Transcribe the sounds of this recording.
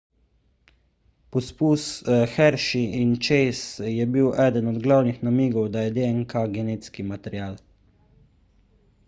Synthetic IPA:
pɔspusxɛɾʃiint͡ʃɛjsjɛbiwʔɛːd̪ənɔd̪ɡlawnixnamiːɡɔwd̪ajɛd̪eɛŋkaɡɛneːt̪skimat̪ɛɾjaːl

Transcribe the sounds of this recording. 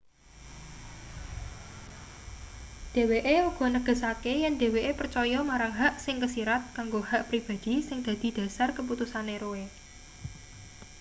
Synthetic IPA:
d̪̥e̤weʔeuɡ̥ɔ̤nəɡ̥ə̤sakejɛnd̪e̤weʔepərt͡ʃɔjɔmaɾaŋɦaʔsɪŋkəsiɾat̪̚kaŋɡohaʔpɾib̥ä̤d̪̥i̤sɪŋd̪̥ä̤d̪̥i̤d̪̥ä̤sarkəp̬ut̪usaneɾoe

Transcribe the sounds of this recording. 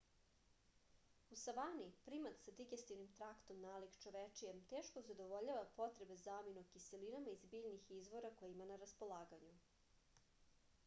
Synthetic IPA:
usaʋanipɾimat̪sad̪iɡest̪iʋnimt̪ɾakt̪o̞mnaːlikt͡ʃo̞ʋet͡ʂijemt̪eːʃkozad̪oʋo̞ʎaʋapo̞t̪ɾe̞be̞zaːminukiselinamaizbiːʎnixizʋo̞ɾako̞jeimanaɾaspo̞lˠaːɡaɲu

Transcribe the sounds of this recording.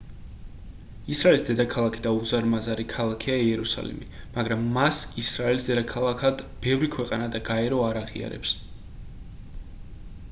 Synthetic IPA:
isɾaɛlisd̪ɛd̪akʰalˠakʰid̪auzaɾmazaɾikʰalˠakʰiaiɛɾusa̰lḭmḭmaɡɾamːasisɾaɛlisd̪ɛd̪akʰalˠakʰad̪b̥ɛvɾikʰwɛqʼanad̪aɡaɛɾɔaɾaʁḭa̰ɾɛ̰ps

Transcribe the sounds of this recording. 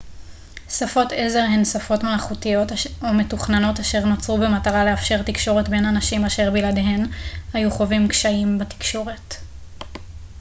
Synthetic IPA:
safo̞teze̞ʁɦensafo̞tmalχutijo̞tome̞tuχnano̞taʃe̞ʁnot͡sʁube̞mataʁaleafʃe̞ʁt̪ikʃo̞ʁe̞tbe̞nanaʃimaʃe̞ʁbiladeɦe̞nhajuχo̞vimkʃaimbati̥kʃo̞ʁe̞t

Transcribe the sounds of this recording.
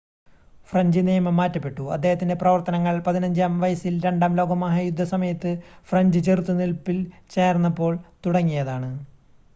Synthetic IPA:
frɐɲd͡ʑɨnijɐmɐmːaːtːɐpːe̞ʈːuɐ̰d̪ːe̞ːhɐt̪ːinde̞prɐʋɐrt̪ɐnɐŋːɐɭpɐðinɐɲd͡ʑaːmʋɐjɐsilɾe̞ɳɖaːmlo̞ːɡɐmaːɦɐjud̪ʱːɐsɐmɐjɐt̪ːɨfrɐɲd͡ʑɨt͡ɕert̪ːunilpːilt͡ɕe̞ːrnːɐpːo̞ːɭt̪uɽɐŋːijɐðaːɳɨ

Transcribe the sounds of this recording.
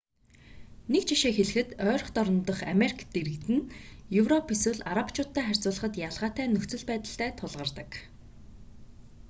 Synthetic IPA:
nekt͡ɕʰiʃeːxeɮɘ̆xɘ̆t̪œːɾɞ̆χt̪ɔɾɞ̆nt̪ə̆χameɾikʰt̪eɾɘ̆kt̪ɘ̆njɵwrɔpiswɘ̆ɮaɾapt͡ɕʰʊːt̪ːæːχær̥ʲt͡sʊːɮə̆χə̆t̪jaɮʁaːt̪æːnɵxt͡sɵ̆ɮpæːt̪ə̆ɬt̪æːt̪ʰʊɮʁə̆rt̪ə̆k

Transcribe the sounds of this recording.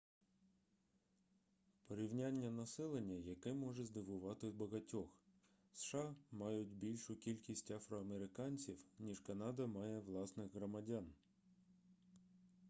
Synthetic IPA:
pɔɾʲiwnʲanʲːɐnɐsɛlˠenʲːɐjɐkɛmɔʒɛzd̪ɪʋʊʋɑt̪ɪwbɐɣɐtʲɔx | sʃɑmɑjʊtʲbʲilʲʃʊkʲilʲkʲisʲtʲɐfɾɔɐmeɾɪkɑnʲt͡sʲiwnʲiʒkɐnɑd̪ɐmɑjɛʋlˠɑsnɪɣɦɾɔmɐdʲan

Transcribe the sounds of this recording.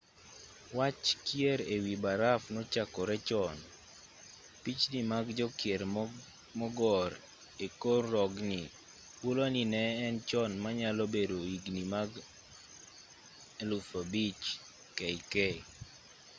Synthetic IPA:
wat͡ʃkjeɾewibaɾafnɔt͡ʃakɔɾɛt͡ʃɔn | pit͡ʃnimaɡd͡ʒɔkjeɾ | mɔɡɔɾ | ekorːɔɡni | puloninɛːnt͡ʃɔnmaɲalɔbedoiɡnimaɡ | elufobit͡ʃ | kɛjkɛ

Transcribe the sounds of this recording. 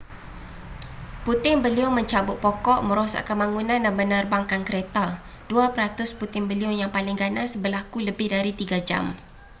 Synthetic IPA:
put̪ɪŋbəliɔmə̃ɲt͡ʃabʊt̪̚pɔkɔʔmə̃ɾosa̰ʔkəmaŋunãnːamənərbaŋkankəɾet̪a | d̥uapəɾat̪ʊsput̪ɪŋbəliɔjaŋpalɪŋɡanasbərlakuləbɪhdaɾit̪iɡad͡ʒa̰m

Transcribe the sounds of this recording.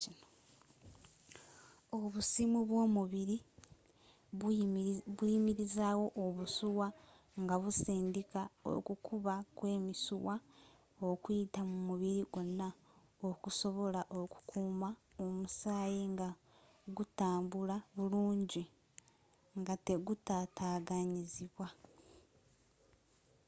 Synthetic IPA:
ino | oβusimuβwo̞ːmuβiɾi | βwimiɾizaːwo̞ʔːβusuwa | ŋɡaβusiːndikao̰kukʰuβakwe̞ːmisuwa | okwitamumuβiɾiɡo̞nːa | okuso̞βo̞laʔo̞ku̥kʰuːmaomusaːjeŋɡa | ɡutaːmbulaβuluːɲɟi | ŋɡate̞ɡutataːɡaɲiziβwa

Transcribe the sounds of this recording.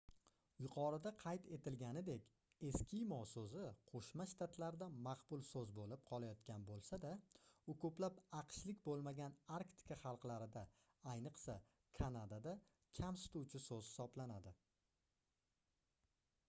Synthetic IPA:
jʊqʰɒɾɪd̪aqʰɑjt̪ʰe̞t̪ɪlɡʲanɪd̪e̞kʲ | e̞skʲɪjmɒsɵzɪqʰoʃmaʃt̪ʰat̪ʰlaɾd̪amɑqbʊlˠsɵzbolɪp̚qʰɒlˠajɒt̪kʲanbolˠsad̪aʊkʰɵplapɑqʃlɪkʲbolˠmaɡʲanaɾkt̪ɪ̥kʰaχɑlˠqlaɾɪd̪a | ajnɨqsa | kʰanad̪ad̪a | kʲʰamsɪ̥t̪uwt͡ʃʰɪsɵz̥hɪ̥sɒblanad̪ɪ

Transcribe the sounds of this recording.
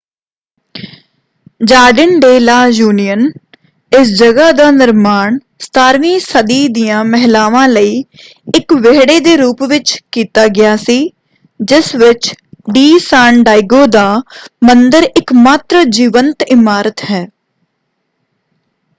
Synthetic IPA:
d͡ʒaːɖənɖeːlaːjuːnijən | ɪsd͡ʒəɡaːd̪aːnɪɾmaːɳ | st̪ʰaːɾʋiːsəd̪iːd̪ijãːmɛɦɪlaːʋãːləiː | ɪkʋeːɽeːd̪eːɾuːpʋɪt͡ʃkiːt̪aːɡɪjaːsiː | d͡ʒɪsʋɪt͡ʃɖiːsãːɳɖaːɪɡoːd̪aːmənd̪əɾɪkmaːt̪ɾəd͡ʒiːʋənt̪ɪmaːɾət̪ɦɛː

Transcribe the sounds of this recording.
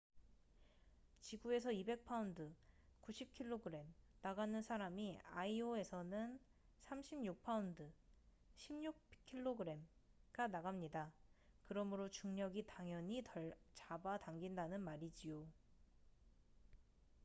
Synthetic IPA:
t͡ɕiɡue̞s̬ʰʌibe̞k̚pʰaundɯkuɕʰip̚kʰiɭːoɡɯɾe̞mnaɡanɯnsʰaɾamiaioe̞sʰʌnɯn | sʰamɕʰimɲuk̚pʰaundɯ | ɕʰimɲuk̚kʰiɭːoɡɯɾe̞mɡanaɣamɲidakɯɾʌmɯɾot͡ɕuŋɲʌɡitaŋjʌɲiʌt͡ɕabataŋɡindanɯnmaɾid͡ʑijo

